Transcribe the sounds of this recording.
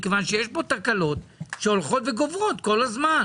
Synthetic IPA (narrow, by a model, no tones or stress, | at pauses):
kevanʃejeʃbo̞t̪aʁkalo̞tʃeo̞lχo̞tveɡovʁo̞t̪ko̞lazman